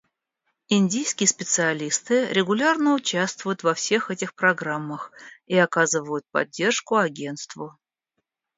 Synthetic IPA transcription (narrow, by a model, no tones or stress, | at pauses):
ɪnʲdʲijskʲɪjəspʲɪt̪sɨɐlʲist̪ɨɾʲɪɡʊlʲarnəʊt͡ɕast̪vʊjʊt̪vɐfsʲe̞xɛtʲɪxpɾɐɡramːəxiɐkazɨvəjʊt̪̚pɐ̰dʲːe̞rʂkʊɐɡʲe̞nt̪st̪vʊ